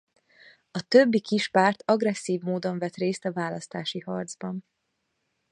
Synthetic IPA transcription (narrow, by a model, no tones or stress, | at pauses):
ɒt̪øbːikiʃpaːrt̪ɒɡrɛsːiːvmoːd̪o̞ɱvɛt̪reːst̪ɒvaːlɒst̪aːʃihɒrd̪zbɒn